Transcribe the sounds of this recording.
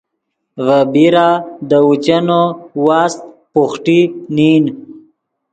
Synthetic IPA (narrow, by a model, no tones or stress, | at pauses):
vəbiɾad̪əut͡ɕanowɑːst̪̚puχʈinin